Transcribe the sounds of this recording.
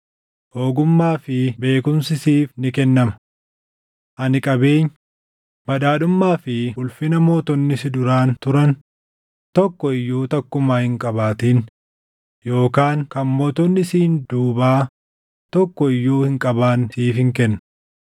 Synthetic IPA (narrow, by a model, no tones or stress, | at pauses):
ho̞ːɡʊmːaːfɪbe̞ːkʊmsɪsiːfnɪkɛnːɐmɐ | ʔɐnɪkʼɐbe̞ːɲː | bɐᶑ̪aːᶑʊmːaːfɪʊlfɪnɐmoːt̪ɔnːɪsɪd̪ʊɾaːnt̪ʊɾɐn | t̪ɔkːɔɪjːuːt̪ɐkːʊmaːhɪŋkʼɐbaːt̪iːn | jo̞ːkaːŋkɐnmoːt̪ɔnːɪsiːnd̪̥uːbaː | t̪ɔkːɔɪjːuːhɪŋkʼɐbaːnsiːfhɪŋkɛnːɐ